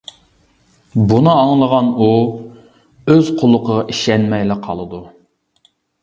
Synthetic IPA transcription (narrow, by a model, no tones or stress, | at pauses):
bunɨɑŋlˠəʁɑnu | øz̥qʰolˠːʊqʰəʁɑʔiʃɛnmɛjlɪqʰɑlˠɨd̪u